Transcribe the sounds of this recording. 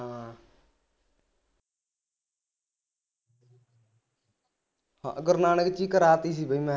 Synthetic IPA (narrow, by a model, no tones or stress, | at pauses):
ãː | hã̰ːɡəɾnaːnəkt͡ʃiːkəɾaːt̪iːs̬iːbʱəiːmɛ̃ː